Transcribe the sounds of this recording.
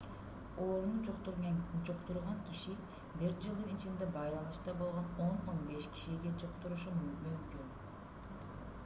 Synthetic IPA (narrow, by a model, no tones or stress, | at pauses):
oːɾnud͡ʒot̪ɾd͡ʒoqt̪uɾʁɑŋkiʃi | biɾd͡ʒɯlˠd̪ɯnit͡ʃind̪ebɑjlˠɑnɯʃt̪ɑbo̞lˠʁono̞no̞nbe̞ʃkʲi̥ʃiɡed͡ʒoqt̪uɾuʃummymkyn